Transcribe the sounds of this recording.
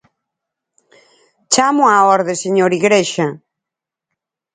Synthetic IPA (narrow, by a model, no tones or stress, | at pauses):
t͡ʃamʊaɔɾðɪseɲoɾiɣɾeʃɐ